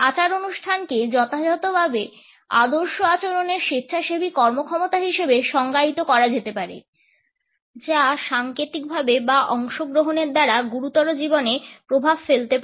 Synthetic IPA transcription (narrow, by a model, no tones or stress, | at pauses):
at͡ɕaɾonuʃʈʰanked͡ʑɔt̪ʰad͡ʑɔt̪obʱabe | a̰d̪oɾʃoat͡ɕoɾoneɾʃitɕʰaʃebʱikɔɾmokʰɔmot̪aɦiʃebeʃɔŋɡait̪okɔɾad͡ʑet̪epaɾḛ | d͡ʑaʃaŋkɾit̪ik̚bʱabebaʔɔŋʃoɡɾoɦoneɾd̪aɾaɡuɾut̪ɔɾod͡ʑibonepɾobʱabfelt̪ep